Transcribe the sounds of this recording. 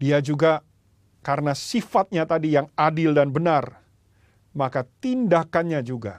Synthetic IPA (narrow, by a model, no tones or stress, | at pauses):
diad͡ʒuɡa | kaɾənasifat̪̚ɲat̪adijaŋadɪldanbənar | makat̪indakanɲad͡ʒuɡa̰